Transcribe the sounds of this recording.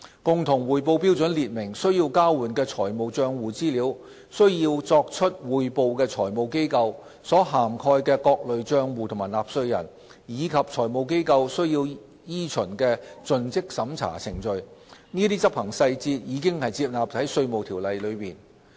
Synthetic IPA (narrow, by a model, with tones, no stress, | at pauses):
kʊ˨ŋt̪ʰʊ˨˩ŋwuː˨jpo˧wpi˥wt͡sɵ˨˥nliː˨t̚mɪ˨˩ŋsɵ˥ɥji˧wkaː˥wwuː˨˩nkɛː˧t͡sʰɔː˨˩jmo˨˧wt͡ʃœː˧ŋwuː˨t͡siː˥liː˨˥w | sɵ˥ɥjiː˧wt͡sɔː˧k̚t͡ʃʰɵ˥t̚wuː˨˩jpo˨˧wkɛː˧t͡sʰɔː˨˩jmo˨˧wke˥jkɐ˧w | sɔː˨˥ɦaː˨˩mkʰɔː˧jkɛː˧kɔː˧k̚lɵ˨ɥt͡ʃœː˧ŋwuː˨t̪ʰmaː˨˩jlaː˨˩p̚sɵ˧ɥjɐ̰˨˩n | jiː˨˧kʰɐ˨p̚t͡ʃʰɔː˨˩jmo˨˧wk̬e˥jkɐ˧wsɵ˥ɥjiː˧w | jiː˥t͡ʃʰɵ˨˩nkɛː˧t͡ʃɵ˨˧nt͡sɪ˥k̚sɐ˨˥mt͡sʰa̰ː˨˩t͡sʰɪ˨˩ŋt͡ʃɵ˨ɥniː˥t̪iː˥t͡sɐ˥p̚hɐ˨˩ŋsɐ˧jt͡siː˧t̚jiː˨˧kɪ˥ŋhɐ˨jt͡siː˧p̚laː˨p̚hɐ˨˥jsɵ˧ɥmo˨wt̪ʰiː˨˩wlɐ˨jlɵ˨˧ɥmiː˨˩n